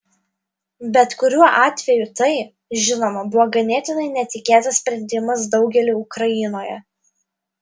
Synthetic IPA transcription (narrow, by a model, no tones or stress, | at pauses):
bʲɛt̪kʊɾʲuɔʔɑːt̪ʲʋʲɛjʊt̪ɐɪ | ʒʲɪnoːmɐbʊʋoːɡɐnʲeːt̪ʲɪnɐɪnʲɛt̪ʲɪkʲeːt̪ɐsʲsʲpʲɾʲɛnʲd̪ʲɪmɐs̬d̪ɒʊɡʲɛlʲɪʊkɾɐjɪnoːjɛ